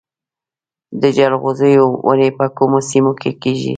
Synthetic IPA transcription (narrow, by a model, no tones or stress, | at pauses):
d̪əʒalɣozejowʔa̰nepakʊmosɪmokekiʒḭ